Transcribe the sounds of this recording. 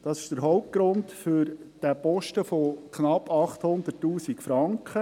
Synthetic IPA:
d̥ɑsɪ̥ʃd̥əɾɦɔʊp̚t̚ɡ̥ɾʊndfʏɾ | d̥æpɔʃtəfokχnɑpːɑχt̪hʊnd̪ətːuːsikfɾɑŋkχə

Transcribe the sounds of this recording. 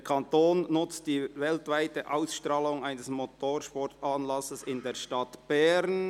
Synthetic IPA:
kʰɑntoːnnʊt͡st̚d̥iːvɛltvaɪtəʔaʊsʃtɾɑːlʊŋaɪnəsmotʰoːʃpɔɾtɑːnlɑsəsɪndeːɐʃtɑtb̥ɛɾn

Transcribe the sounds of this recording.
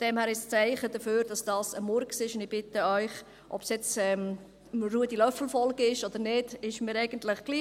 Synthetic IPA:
fd̥ɛmhæːɾɪʃst͡sæɪχəd̥̪əføːɾd̥ɑsd̥ɑːsəmɔɾksiɪʃʊnd̪ɪb̥ɪtəœʏχ | ʔɔpsjɛt͡sɛm | ruədilœfl̩fɔlɡəɪʃɔd̥̪əɾnɪd̥ɪʃmɪːɾɛɪɡ̥əntlɪχɡ̥liː

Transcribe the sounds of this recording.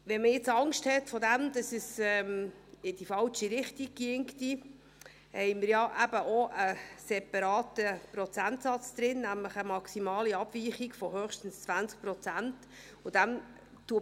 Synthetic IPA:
ʋɛnməjɪt͡sɑŋʃthɛtfɔdæmd̥̪ɑsəsɛmɪd̥ifɑlt͡ʃiɾɪχtiɡ̥̚kɪŋkti | hɛɪmɪɾjɑʔæbəʔoʔəsɛpɑɾɑːt̪əpɾɔt͡sænt̪sɑt͡sd̪̥ɾɪnːæmləχəmɑksimɑːliɑb̥viːχiɡfɔɦœːχʃtən̩st͡svænt͡sk̚pɾɔt͡sænt | ʊd̥æm | tuə

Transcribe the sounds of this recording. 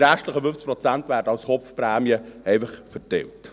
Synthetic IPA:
ɾæʃtləχəfʏnft͡s̚pɾɔt͡sæntvæːɾdəɑlsχɔpfpɾɛːmjəɛɪfəχfərtɛ̰lt

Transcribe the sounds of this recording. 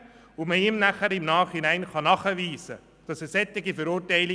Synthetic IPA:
ʊməɪmnæχəɾɪmnɑːχinæɪnχɑnɑχəviːsə̰ | d̥ɑsɛsɛt̪ːɪɡifəɾʊɾtaɪlɪ

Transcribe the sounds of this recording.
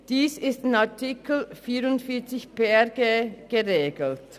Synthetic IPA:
d̥iːsɪstɪnatʰikl̩fiːɾʊntfiːɐt͡sɪçpeɡeɡ̥əʁeːɡl̩t

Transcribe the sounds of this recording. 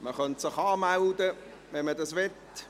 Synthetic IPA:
məχœntsɪχɑːmaldə | ʋɛnmədɑsʋɛt

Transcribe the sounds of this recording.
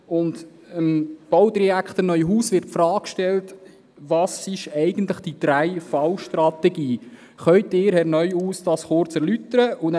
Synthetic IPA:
ʊnt | əmb̥ɔwt̪ɾɛækχt̪ənœʏɦuːsʋɪɾtfɾɑːkʃtɛlt | ʋɑːsɪʃɛɪɡ̥ən̩t̪ləχd̥id̥̪ɾæjfɑwʃtɾɑtɛɡiː | χœʏtɪːɾhɛɾnœʏuːsd̥ɑsχʊɾt͡sɛɾlytəɾəʔʊn

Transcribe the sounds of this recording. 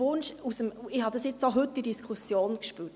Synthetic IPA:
ʊnʃusəmɪhɑd̪ɑsjɪt͡soɦʏtːidiskʰusjoːnkʃpyːt

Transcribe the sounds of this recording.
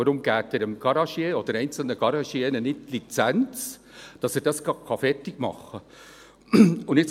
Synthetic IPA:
əɾʊmɡ̥æːtɛɾəmɡ̥ɑɾɑʃjeːod̥̪əɾɛɪnt͡sl̩nəɡ̥ɑɾɑʃiɛnənɪt̚lit͡sænt͡s | d̥ɑsɛɾdɑskɑkʰɑfɛrtɪɡ̥mɑ̰χːə | ʊndɪt͡s

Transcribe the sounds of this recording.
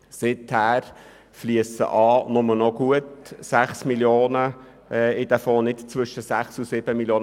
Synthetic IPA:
sɪt̪hæːɾ | fliəsə̰ʔɑːnʊmənɔɡ̥uət̪sæχsmiljoːnə | ɪd̥̪æfoːnɪtt͡sʋʏʃəsæχsusɪb̥əmiljoːn

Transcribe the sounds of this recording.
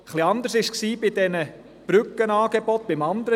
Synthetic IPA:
χliɑnd̪əɾsɪʃksiːbɪd̥ɛnə | b̥ɾʏkːənɑːɡebɔt̪̚b̥ɪmɑnd̪əɾə

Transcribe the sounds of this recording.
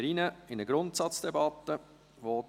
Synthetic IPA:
ɾinəɪnəɡɾʊntsɑt͡sd̥ɛbɑt̪ːə | ʋo

